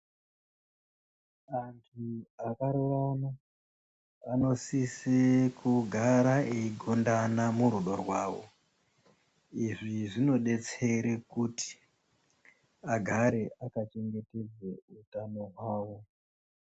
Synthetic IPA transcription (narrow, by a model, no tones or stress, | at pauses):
aŋɡiakaɾoʋana | ano̞sisekʰuɡʱaɾaʔeiɡʱondanamuɾuɗorwaːwo̞̰ | iʐiʐino̞ɗe̞t͡seɾekuti̥ | aɡʱaɾe̞ʔakat͡ʃe̞ŋɡe̞te̞d͡zeutano̞ɦwaːwo̞